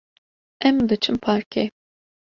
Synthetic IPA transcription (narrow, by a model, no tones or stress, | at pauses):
ɛmd̪ɨt͡ʃʰɨmpʰaːɾkʰe